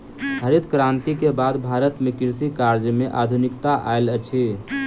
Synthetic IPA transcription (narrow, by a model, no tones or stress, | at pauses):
ɦəɾit̪kɾãnt̪ikebad̪bʱaɾət̪mekiɾsikaɾd͡ʒmeʔad̪ʱunikt̪aʔa̰elt͡ʃʰi